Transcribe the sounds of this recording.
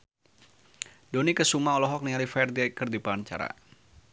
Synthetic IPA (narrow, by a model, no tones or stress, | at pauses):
donikəsumaɔlɔɦɔk̚nialifaɛɛrdiaɛkərdipant͡ʃa̰ɾa̰